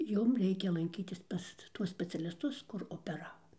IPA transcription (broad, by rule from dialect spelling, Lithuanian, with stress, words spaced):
ˈjʊm ˈrʲɛɪkʲɛ lˠɐŋʲˈkʲiːtʲɪs ˈpɐs ˈtuɔs sʲpʲɛt͡sʲɛlʲɪsˈtʊs kʊr oːpʲɛˈrɑːʋoː